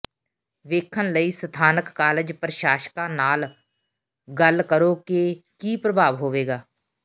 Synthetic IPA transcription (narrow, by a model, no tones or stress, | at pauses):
ʋeːkʰənləiːsət̪ʰaːnəkːaːlɪd͡ʒpɾʃaːʃkãːnaːl | ɡəlkəɾoːkekiːpɾəbʱaːʋɦoːʋeːɡaː